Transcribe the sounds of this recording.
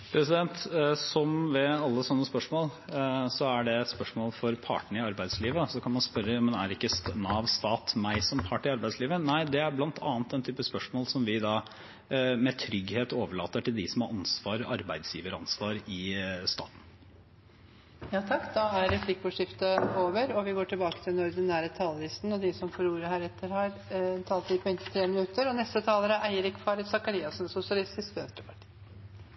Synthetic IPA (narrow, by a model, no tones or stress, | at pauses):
pʰɾɛsɪd̪ɛnt̪sɔmʋɛɑlːəsɔnːəspœʂmoːlsɔæɖɛspœʂmoːlfɔɾpʰɑ̰ːʈɳ̩ɪɑɾbæɪd̪sliːʋəsɔkʰɑnmɑnspœɾəjɑmɛnæɾɪkːəsnɑːʋst̪ɑːt̪mæɪsɔmpʰɑʈɪɑɾbæɪsliːʋənæɪd̪ɛæɾblɑnt̪ʰɑ̰ːnt̪ɛnt̪ʰyːpəspœʂmoːlsɔmʋɪd̪ɑ | mɛt̪ʰɾʏɡheːt̪oːʋəɭɑːt̪əʈɪld̪ɪsɔmhɑɾʔɑnsʋɑːɾɔʔɑɾbæɪd̪sjiːʋəɾəɑnsʋɑːɾɪst̪ɑ̰ːt̪n̩ | jɑːt̪ʰɑkːd̪ɑæɾɾɛflɪkʋʊʂɪft̪əoːʋəɾɔʋɪɡoːʈʰɪlbɑːkət̪ʰɪlɛnɔɾd̪ɪnæːɾət̪ʰɑːləlɪst̪n̩ɔd̪ɪsɔmfɔɾuːɾəhæːɾɛt̪ʰːəɾhæːɾnt̪ʰɑːlt̪ʋɪpʰɔɛnt̪ʰɪt̪ʰɾeːmɪnʉt̪əɾɔnɛst̪ət̪ʰɑːləɾəʔæɪəɾɪkfɑːɾəsɑkɑɾiːɑsnsʊsɪɑlɪst̪ɪskb̪ɛnst̪ɾəpʰɑʈʰi̥ː